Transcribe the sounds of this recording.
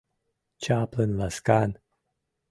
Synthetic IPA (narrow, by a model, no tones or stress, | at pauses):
t͡ʃaːplənlaskan